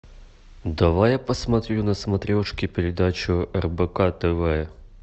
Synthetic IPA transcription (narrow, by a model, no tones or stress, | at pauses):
d̪ɐvajapəsmɐt̪ɾʲunəsmɐt̪ɾʲoʂkʲɪpʲɪɾʲɪd̪at͡ɕʊɛrbɛkat̪ɛvɛ